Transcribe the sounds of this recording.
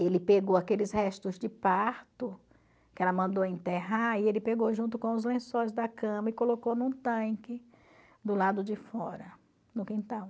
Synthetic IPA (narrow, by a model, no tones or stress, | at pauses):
elɪpeɡowakelɪshɛst̪ʊzd͡ʒɪpaɾt̪ʊ | kɪɛlɐmɐ̃nd̪owɐẽnt̪eɦaielɪpeɡowʒũnt̪ʊkõw̃ʊzlẽsojzd̪ɐkɐ̃mɐɪkolokownũt̪ɐ̃kɪ | d̪ʊlad̪ʊd͡ʒɪfɔɾɐ | nʊkĩnt̪ãw̃